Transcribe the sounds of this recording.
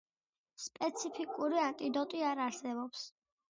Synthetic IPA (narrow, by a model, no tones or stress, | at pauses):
spʼɛt̪sʰipʰikʼuɾiant̪ʼid̪ɔt̪ʼiaɾaɾsɛbɔps